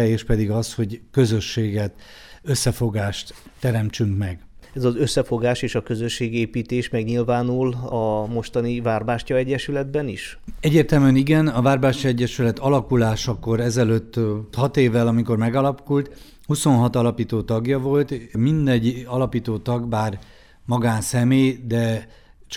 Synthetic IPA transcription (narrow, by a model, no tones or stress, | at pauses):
eːʃpɛd̪iɡɒsho̞ɟkø̞zø̞ʃːeːɡɛt̪øsːɛfo̞ɡaːʃt̪ː | ɛɾɛmt͡ʃyŋkmɛɡɛzɒzø̞sːɛfo̞ɡaːʃeːʃɒkøzø̞ʃːeːɡeːpiːt̪eːʃmɛɡɲilvaːnulɒmo̞ʃt̪ɒnivaːrbaːʃcɒɛɟːɛʃylɛd̪bɛniʃ | ɛɟːeːrt̪ɛlmyɛniɡɛnɒvaːrbaːʃcɒɛɟːɛʃylɛt̪ɒlɒkulaːʃɒko̞ɾɛzɛløt̪ːhɒt̪eːvːɛlɒmiko̞rmɛɡɒlɒkult̪ | huso̞nɦɒt̪ɒlɒpiːt̪oːt̪ɒɡjɒvo̞lt̪mind̪ɛɟːɒlɒpiːt̪oːt̪ɒɡbaːr | mɒɡaːnsɛmeːd̪ɛ | t͡ʃ